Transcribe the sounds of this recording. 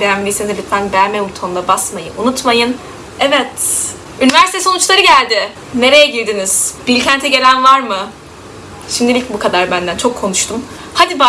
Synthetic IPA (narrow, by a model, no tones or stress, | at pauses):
b̪ejæmlʲisinzeb̪ʲit̪fænbɛjmeut̪ʰonlˠabasmajɯ̰ʔunut̪majɯn | ɛvɛt̪ | ynivæɾsit̪ʰɛso̞nut͡ʃlˠaɾɯɟælʲd̪ɪ | ne̞ɾe̞jɛɟiɾʲd̪iniz̥b̥ilʲcʰænt̪ʰɛɟe̞lʲænvaɾmɯ | ʃimd̪ilʲilʲicʲbukʰad̪aɾbænd̪ænt͡ʃʰo̞kʰːo̞nuʃt̪ʰum | had̪iba